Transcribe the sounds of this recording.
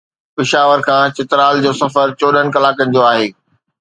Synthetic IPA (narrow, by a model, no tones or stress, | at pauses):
pɪʃaːʋəɾkʰãːt͡ɕɪt̪ɪɾaːld͡ʑoːsɐfəɾt͡ɕoːɗʱəɽ̃kɐlaːkənɪ̆d͡ʑoːaːɦeː